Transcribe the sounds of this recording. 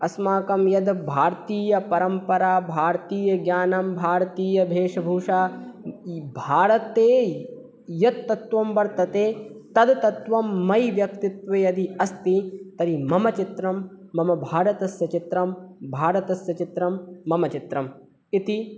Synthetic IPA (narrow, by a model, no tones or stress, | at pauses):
ɐsmaːkɐmjɐd̪bʱaːɾt̪iːjɐpɐɾɐmpɐɾaːbʱaːɾt̪iːjɐɡjaːnɐmbʱaːɾɐt̪iːjɐbʱeːʂɐbʱuːʂaː | bʱaːɾɐt̪eː | jɐt̪ːɐt̪ʋɐmʋɐɾt̪ɐt̪eːt̪ɐd̪t̪ɐt̪ʋɐmːɐjʋjɐk̚t̪it̪ʋeːɐd̪iɐst̪it̪ɐɾimɐmɐt͡ʃit̪ɾɐmː | ɐmɐbʱaːɾɐt̪ɐsjɐt͡ʃit̪ɾɐmbʱaːɾɐt̪ɐsjɐt͡ʃit̪ɾɐmːɐmɐt͡ʃit̪ɾɐm | it̪i